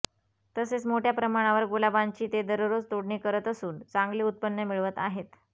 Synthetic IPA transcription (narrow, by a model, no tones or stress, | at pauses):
t̪əset͡smoʈʰjapɾəmaɽ̃ãʋəɾɡolabãɲt͡ɕiːt̪ed̪əɾoɾot͡st̪oɽɳiːkəɾət̪əsuːnt͡saŋɡliːut̪̚pənːəmiɭʋət̪aɦet̪